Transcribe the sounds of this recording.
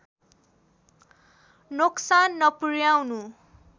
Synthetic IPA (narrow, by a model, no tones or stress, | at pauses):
noksanːʌpurjawnu